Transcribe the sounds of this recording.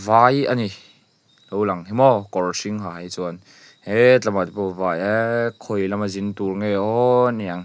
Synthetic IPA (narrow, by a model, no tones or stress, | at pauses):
vajani | lɔwlɐŋɦimɔkɔrsiŋɦaɦɐjt͡suɐn | het͡ɬamat̪ipɔvajekʰɔjlɐmɐzint̪urŋejɔniaŋ